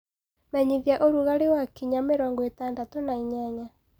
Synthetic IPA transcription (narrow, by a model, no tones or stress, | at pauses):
mɛɲiðjaʔoɾuɣaɾewakiɲameɾɔŋɡɔetandatonaiɲaɲa